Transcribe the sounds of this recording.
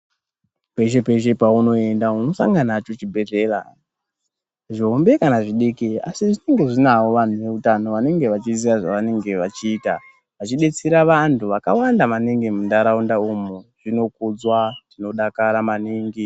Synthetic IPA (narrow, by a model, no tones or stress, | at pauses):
pe̞ʃe̞pe̞ʃe̞pauno̞e̞ndauno̞sa̰ŋɡanat͡ʃo̞t͡ʃibʱe̞ɮe̞ːɾa̰ | ʐiɦombe̞kanaʐiɗikia̰siʐine̞ŋɡe̞ʐinawo̞ʋan̤uʋe̞utano̞ʋane̞ŋɡe̞ʋat͡ʃiziʋaʐaʋane̞ŋɡe̞ʋat͡ʃiːta | ʋat͡ʃiɗe̞t͡siɾaʋantʰuʋakawandamaniŋɡimundaɾaundaumuʐ̥ino̞kud͡zwaʐ̥ino̞ɗakaɾamaniːŋɡi